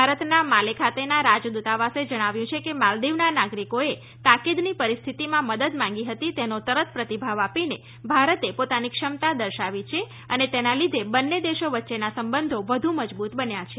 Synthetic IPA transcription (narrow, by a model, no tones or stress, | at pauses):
aɾət̪namalekʰat̪enaɾad͡ʒd̪ut̪aʋased͡ʒəɽ̃aʋjũt͡ʃʰekemald̪iʋnanaɡɾikoe | t̪akid̪nipəɾist̪ʰit̪imãməd̪əd̪mãŋ̆ɡiɦət̪it̪enot̪əɾət̪pɾət̪ibʱaʋapine | bʱaɾət̪epot̪anikʂəmt̪ad̪əɾʃaʋit͡ʃʰe | ənet̪enalid̪ʱebənːed̪eʃoʋətːʃenasəmbənd̪ʱoʋəd̪ʱũməd͡ʒbut̪bənjat͡ʃʰe